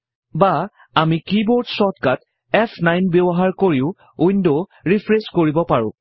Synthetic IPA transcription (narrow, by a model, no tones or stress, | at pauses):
ba | amikiboɹdsɔtkat | ɛpʰnajnbebɔɦaɹkoɹiʊ | ujndoɹipʰɹeskoɹibɔpaɹʊ̰̃